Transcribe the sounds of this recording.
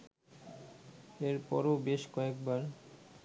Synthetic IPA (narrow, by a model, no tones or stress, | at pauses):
eɾpɔ̰ɾobeʃkɔekbaɾ